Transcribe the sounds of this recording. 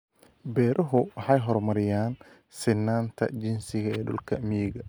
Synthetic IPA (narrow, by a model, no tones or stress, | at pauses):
bɛːɾʔɐɦʊwɑħɑjɦɔrmɐɾɪjaːn | sɪnːaːnt̪ʰɐ̰d͡ʒɪnsɪɣɐɛːɖʊ̰lkʰɐmiɣɐ